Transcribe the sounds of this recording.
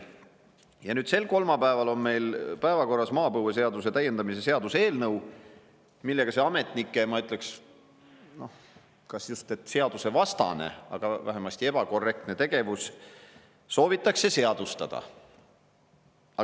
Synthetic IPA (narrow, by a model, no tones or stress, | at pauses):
jɑnyːd̪se̞lko̞lmɑpæevɑlo̞nme̞jlpæevɑko̞rːɑsmɑːpɤwes̬e̞ɑd̪us̬e̞t̪æjend̪ɑmise̞se̞ɑd̪̥use̞ːlnɤw | milːe̞ɡ̥ɑseɑme̞t̪ˑnikːˑe̞mɑyt̪ˑle̞ks | no̞ | kɑsist̪e̞t̪ˑse̞ɑd̪use̞vɑst̪ɑ̰ne̞̰ɑ̰ɡ̥ɑvæ̰ɦemɑst̪ie̞b̥ɑko̞rːe̞k̚t̪ne̞t̪e̞ɡ̥e̞vusː | o̞ːvit̪ːˑɑksːe̞se̞ɑd̪̥ust̪ɑd̪̥ɑ̰ | ɑ